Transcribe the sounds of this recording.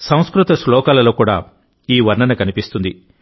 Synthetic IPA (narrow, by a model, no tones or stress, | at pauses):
sɐ̃w̃skɾut̪ɐslɔːkaːlɐlo̞ːkuːɽa̰ː | iːʋɐɾnɐnɐkɐnipist̪und̪i